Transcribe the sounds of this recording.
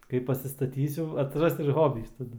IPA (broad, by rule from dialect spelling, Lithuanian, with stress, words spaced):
ˈkɐɪ pɐsʲɪstɐˈtʲiːsʲʊ ɐtʲsʲɪˈrɐs ɪr ˈɣoːbʲiːs tɐˈdʊ